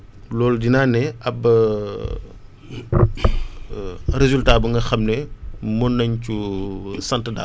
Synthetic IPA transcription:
lɔːldinaːnɛɐbɐ | ɾezultaːbuŋɡɐxɐmnɛmɔnːɐɲcusɐntəda̰ː

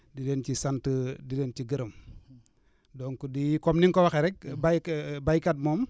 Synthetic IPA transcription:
dident͡ʃisantədident͡ʃiɡəɾəm | doŋkudikomniŋkowaxeɾɛk̚babajkat̚mom

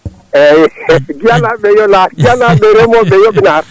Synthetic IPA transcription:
ɛɡialamejɔlaɡialabeɾɔmɔbejɔbɪnaɾ

